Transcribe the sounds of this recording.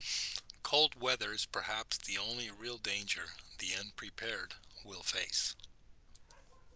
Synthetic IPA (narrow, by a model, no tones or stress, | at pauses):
kʰoʊlˠd̚wɛðə˞z̥pʰə˞hæpsðiõʊ̃nliɹilˠdẽɪ̃nd͡ʒə˞ðiʌ̃npʰɹ̥ipʰɛɹdwɪlˠfeɪs